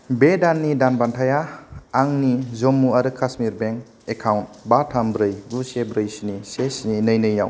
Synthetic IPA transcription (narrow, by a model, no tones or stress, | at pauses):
bedanːidanbantʰajaaŋnizomːuaɾɯkʰasmiɾbeŋ | ekʰawntbatʰambɾɯjɡusebɾɯjsinisesininɯjnɯjːaw